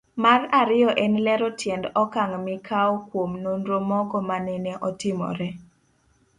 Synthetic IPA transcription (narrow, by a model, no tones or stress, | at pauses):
maraɾɪɔʔɛnlɛɾɔtʰjɛndɔkaŋmɪkʰaɔkwomnonɾomɔɡɔmanɛnɛʔɔtɪmɔ̰ɾɛ